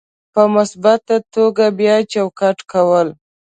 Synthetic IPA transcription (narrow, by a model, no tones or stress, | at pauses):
pəmʊsbat̪at̪oɡabjɑt͡ʃawkaʈkawəl